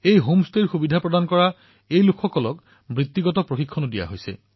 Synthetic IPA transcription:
ejɦomsteɹxubidʱapɹɔdankɔɹa | ejlukʰːɔkɔlɔk | mɹit̪ːiɡɔtɔpɹoxikʰːɔnodija̰ɦojsɛ̰

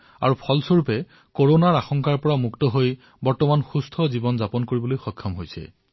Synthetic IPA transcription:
a̰ɹupʰɔlsoɹupɛ | koɹonaɹaxɔŋkaɹpɔɹamuktɔɦoj | bɔɹtɔmanxustʰɔzibɔnzapɔnkoɹibɔlojxɔkʰːɔmɦojsɛ̰

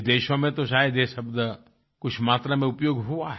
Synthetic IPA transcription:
d̪eːʃõmẽt̪oʃaːjəd̪eːʃəbd̪ | kʊt͡ʃʰmaːt̪ɾamẽʊpjoːɡɦuaɦ

